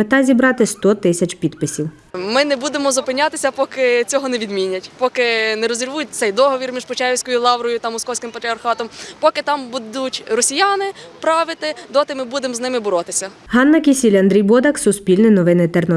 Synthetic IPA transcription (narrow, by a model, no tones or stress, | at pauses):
ɪt̪ɑzʲibɾɑt̪ɪst̪ɔt̪ɪsʲɐt͡ʃpʲid̪pɪsʲiw | mɪnɛbud̪emɔzʊpɪnʲːat̪ɪsʲɐpɔkɪt͡sʲɔɦɔnɛʋʲid̪mʲinʲːɐtʲpɔkɪnɛɾɔzʲirʋujʊt̚ʲsɛjd̪ɔɦɔʋʲirmʲiʒpʊt͡ʃajʲiwsʲkɔjʊlˠɑwɾɔjʊt̪ɐmɔskɔwsʲkɪmpɐt̪ɾʲiɐrxɑt̪ɔmpɔkɪt̪ɑmbud̪utʲrɔsʲijanɪpɾɑʋɪt̪ɪd̪ɔt̪ɪmɪbud̪emznɪmɪbɔɾɔt̪ɪsʲɐ | ɦɑnːɐkʲisʲilʲɐnd̪ɾʲijbɔd̪ɐksʊspʲilʲnɪnɔʋɪnɪt̪ernɔ